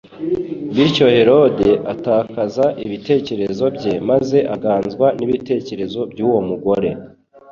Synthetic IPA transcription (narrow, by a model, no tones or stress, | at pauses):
biɾco̞he̞ɾo̞de̞ʔataːkazaʔiβite̞ːce̞ɾe̞zo̞bɟe̞maze̞ʔaɡaːnzɡwaniβite̞ːce̞ɾe̞zo̞bɟuːwo̞muɡo̞ɾe̞